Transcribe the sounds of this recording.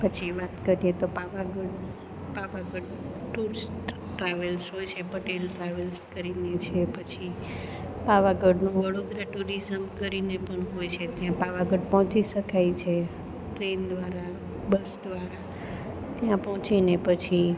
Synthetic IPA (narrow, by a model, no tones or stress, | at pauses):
pət͡ʃʰiʋat̪kəɾijet̪opaʋaɡəɖ | paʋaɡəɖ | ʈuɾs | ʈɾaʋəlsɦojt͡ʃʰepəʈelʈɾaʋəlskəɾinet͡ʃʰepət͡ʃʰi | paʋaɡəɖnũʋəɽod̪ɾəʈuɾizəmkəɾinepəɳɦojt͡ʃʰet̪jãpaʋaɡəɖpɔ̃ɦɔ̃t͡ʃiʃəkajt͡ʃʰe | ʈɾend̪ʋaɾa | bəsd̪ʋaɾa | t̪jãpɔɦɔ̃t͡ʃinepət͡ʃʰi